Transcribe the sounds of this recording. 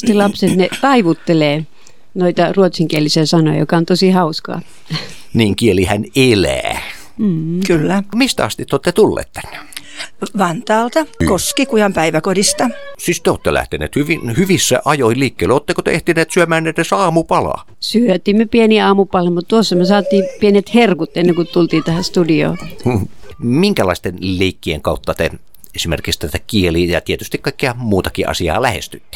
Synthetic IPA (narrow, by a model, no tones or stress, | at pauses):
t̪elɑpset̪net̪ɑiʋut̪ːeleː | noit̪ɑruot̪siŋkielisiæsɑno̰jɑ̰jo̰kɑˑont̪osihɑuskɑ̰ː | niːŋkielihænelæ̰ː | m̩ːkylːæmist̪æɑ̰st̪it̪ːot̪ːet̪ulːḛːt̪t̪æ̥n̥ːe̥ | ʋɑnt̪ɑːlt̪ɑkoskikujɑmpæiʋækodist̪ɑsist̪eo̰ːt̪ːḛlʔæ̰ht̪enḛːt̪hyʋinhyʋisːæ̰ʔɑjoiliːkːeileoːt̪ːekot̪ḛeht̪ineːt̪syømæːnːet̪ːesɑːmupɑlɑ̰ | syøt̪iːmːøpieniɑːmupɑlɑmut̪t̪uosːɑmøsɑːt̪ːˑiːpienet̪herkut̪enːeŋkut̪ult̪iːt̪æhæst̪udio̰ː | miŋkælɑist̪enleikːieŋkɑut̪ːɑt̪e | esimḛrkikst̪æt̪ækielijɑ̰t̪iet̪yst̪ikkɑˑikːiɑmuːt̪ɑkḭʔɑ̰siɑ̰ːlæhḛst̪yt̪ːi̥